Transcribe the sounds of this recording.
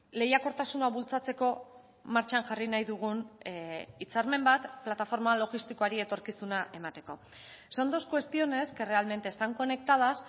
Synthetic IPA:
le̞jako̞ɾt̪asunaβult͡sat͡se̞ko̞ | maɾt͡ʃanʝarinajðuɣ̞un | it͡saɾme̞mbat̪plat̪afo̞ɾmalo̞ɣist̪iko̞aɾie̞t̪o̞ɾkisunaʔe̞mat̪e̞ko̞̰ | so̞nd̪o̞skwe̞st̪io̞ne̞ske̞re̞alme̞nt̪est̪aŋko̞ne̞kt̪að̞as

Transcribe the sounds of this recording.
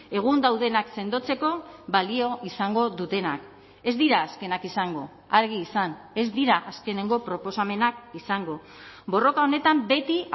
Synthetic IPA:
e̞ɣ̞und̪awðe̞nakse̞nd̪o̞t͡se̞ko̞βalio̞ʔisaŋɡo̞ðut̪e̞nak | e̞zd̪iɾaːske̞nakisaŋɡo̞ | aɾɣ̞iːsan | e̞zd̪iɾaʔaske̞ne̞ŋɡo̞pɾo̞po̞same̞nakisaŋɡo̞ | bo̞ro̞kao̞ne̞t̪ambe̞t̪i

